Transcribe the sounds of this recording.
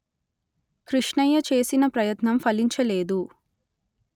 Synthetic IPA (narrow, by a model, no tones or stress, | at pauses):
kɾiʂɳɐjɐt͡ʃe̞ːsinɐpɾɐjɐt̪nɐmfɐliɲt͡ʃɐle̞ːd̪u